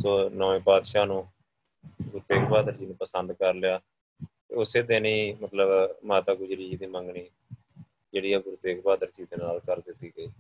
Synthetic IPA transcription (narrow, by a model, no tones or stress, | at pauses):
soːnəʋẽːpaːd̪ʃaːnũː | ɡʊɾt̪eːkbaːd̪əɾd͡ʒiːnũːpəsənd̪kəɾlɪjaː | t̪ḛːʊseːd̪enĩːmət̪ləbmaːt̪aːɡʊd͡ʒɾiːd͡ʒiːd̪iːməŋɡɳiː | d͡ʒeːɽiːɛːɡʊɾt̪eːkbaːd̪əɾd͡ʒiːd̪eːnaːlkəɾd̪ɪt̪ːiːɡəiː